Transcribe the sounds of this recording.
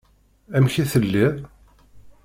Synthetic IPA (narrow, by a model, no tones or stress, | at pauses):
æmçiθəlːið